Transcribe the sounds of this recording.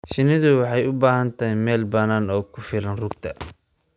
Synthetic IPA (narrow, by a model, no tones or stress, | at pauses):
ʃɪnɪðʊwɑħɑjʊbaːɦɐnt̪ʰɐɦɛmɛːlbɐnaːnɔːkʰʊfɪlɐnrʊɡ̚t̪ʰɐ